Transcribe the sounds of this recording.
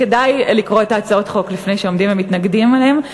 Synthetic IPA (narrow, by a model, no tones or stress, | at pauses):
ke̞dajlikʁo̞etaːt͡sao̞t̪χo̞klifne̞jʃeo̞md̪imvemit̪naɡdimalem